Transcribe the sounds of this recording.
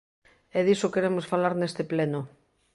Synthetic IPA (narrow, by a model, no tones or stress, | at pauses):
ɛðisokeɾemosfalaɾnest̪epleno